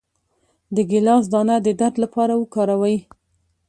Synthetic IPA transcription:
d̪əɡɪlɑs̬d̪ɑnad̪əd̪aɾd̪lapɑɾawəkɑɾawaj

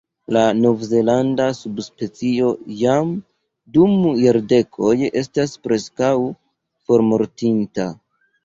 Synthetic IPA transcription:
lano̞vze̞landasubspe̞t͡sio̞jam | dumjaɾde̞kʰo̞je̞staspɾe̞skaw | fo̞ɾmo̞ɾtinta

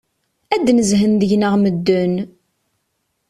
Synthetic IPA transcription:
æd̪ːnəzɦənðəʝnəʁməd̪ːʊn

